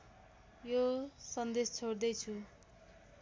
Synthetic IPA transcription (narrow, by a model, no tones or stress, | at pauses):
josʌnd̪est͡sʰoɽd̪ʌjt͡sʰu